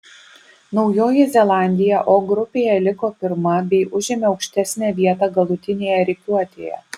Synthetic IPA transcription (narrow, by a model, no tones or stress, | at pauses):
nɒʊjoːjɛzʲɛlˠɑˑnʲd̪ʲɪjɛʔoːɡɾʊpʲeːjɛlʲɪkoːpʲɪɾmɐbʲɛɪʔʊʒʲɪmʲɛɒʊkʃʲt̪ʲæsʲnʲæːʋʲiɛt̪ɑːɡɐlˠʊt̪ʲɪnʲeːjɛɾʲɪkʲuɔt̪ʲeːjɛ̰